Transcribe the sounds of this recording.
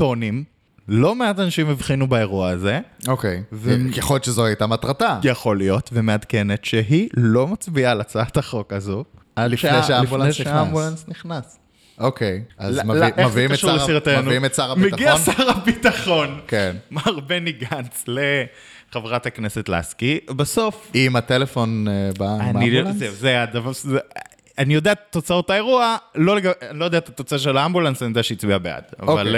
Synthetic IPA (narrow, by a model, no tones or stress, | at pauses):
to̞nim | lo̞meatanaʃimivχinubae̞ʁuaːze̞okejveeχoljot͡ʃezohajtamatʁatajeχo̞lijo̞tvemeadke̞netʃeɦilo̞mat͡sbialat͡sataχo̞kazu | ʔadli̥ʃnejʃeaifbulaeʃambulansniχnas | ʔokʰejazmlemaviimkmeʃulesiʁatenuiimetsaʁametɡianaʁabitaχo̞nkenmaaʁbeniɡant͡sle | χevʁathakne̞se̞tla̰skibaso̞fimat̪elefo̞nebaamnizezead̪aval | anijo̞d̪eat̪ːot͡saotae̞ʁualo̞leɡaanilojd̪eatat̪ot͡saʃ̬elaambulansanijod̪eaʃeit͡sbiabea̰d̥̪a̰voall